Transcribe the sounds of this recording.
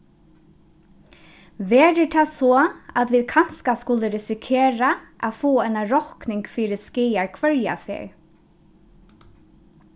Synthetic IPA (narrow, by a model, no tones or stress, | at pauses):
ʋeːɾɪʈʰɑːsoːat̪ʋiːðkʰanskaskʊləɾɪsɪkʰeːɹaʔa̰foːɛɪnaɾɔknɪŋɡfiːɾəskiːaɹkʰʋœɹja̰fḛɹ